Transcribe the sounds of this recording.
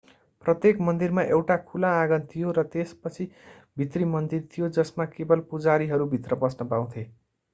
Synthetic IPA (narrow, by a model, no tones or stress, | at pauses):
prʌt̪jekmʌnd̪irmaʔewʈakʰulãːɡʌnt̪ʰijoɾʌt̪espʌt͡sʰi | bʱit̪rimʌnd̪irt̪ʰijod͡zʌsmakebʌlpud͡zaɾiɦʌɾubʱit̪rʌbʌsnʌpaw̃t̪ʰe